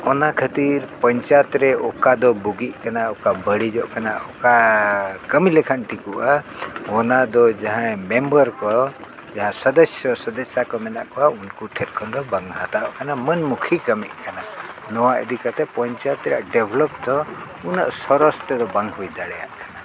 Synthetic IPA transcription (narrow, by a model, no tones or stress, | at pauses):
ɔnakʰət̪iɾpəɲt͡ʃat̪ɾɛʔɔkad̪ɔbuɡiʔkanaɔkabəɽid͡ʒɔʔkana̰ʔɔka | kəmilɛkʰanʈikuʔaɔnad̪ɔd͡ʒaɦãmɛmbəɾkɔ | d͡ʒaɦãsəd̪əsjɔsəd̪əsjakɔmɛna̰ʔkɔaunkuʈʰɛt̪̚kʰɔnd̪ɔbaŋɡɦat̪aʔkanamənmukʰikəmiʔkana | nɔwaʔə̰d̪ikat̪ɛpɔɲt͡ʃat̪ɾa̰ʔɖɛbʱlɔp̚d̪ɔ | una̰ʔsɔɾɔst̪ɛd̪ɔbaŋɡɦujd̪aɽɛja̰ʔkana